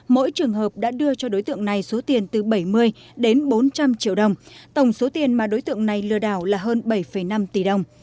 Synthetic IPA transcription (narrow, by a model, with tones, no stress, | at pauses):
mo̰˧˥jt͡ɕɨ˨˩əŋɦəː˨˩p̚ɗa̰ː˧˥ɗɨ˧ət͡ɕɔ˧ɗo˨˦jt̪ɨ̰˧˨əŋna˨˩jso˨˦t̪i˨˩ənt̪ɨ˨˩ɓə˧˩jmɨ˧əjɗe˨˦nɓo˨˦nt͡ɕa˧mt͡ɕḭ˧əwɗə˨˩wŋ͡mt̪ə˧˩wŋ͡mso˨˦t̪i˨˩ənmaː˨˩ɗo˨˦jt̪ɨ̰˧˨əŋna˨˩jlɨ˧˩əɗaː˧˩wlaː˨˩ɦəː˧nɓə˧˩jfə˧˩jna˧mt̪i˧˨˩ɗə˨˩wŋ͡m